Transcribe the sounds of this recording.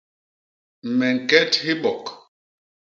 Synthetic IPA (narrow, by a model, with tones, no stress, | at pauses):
m̩˨mɛ˨ŋ̩˨kɛ˦thi˦ɓɔ˨k